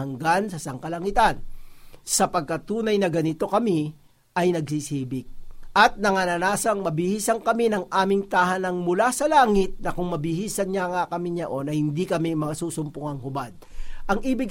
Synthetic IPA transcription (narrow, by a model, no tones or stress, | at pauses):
ɐŋɡansɐsɐŋkɐlɐŋit̪ansɐpɐɡ̚kɐt̪uːnɐjnɐɡɐnɪt̪o̞kɐmi | ʔɐjnɐɡ̚sisiːbɪk̚ʔɐt̪̚nɐŋanɐnaːsɐŋmɐbɪhiːsɐŋkɐminɐŋʔaːmɪŋt̪ahanɐŋmʊlasɐlaːŋɪt̪̚nɐkʊŋmɐbɪhiːsɐnɲaŋakɐmiɲɐʔo̞nɐhɪnd̪ikɐmimɐsuːsʊmpʊŋɐŋhʊbad̪̚ʔɐŋʔiːbɪɡ̚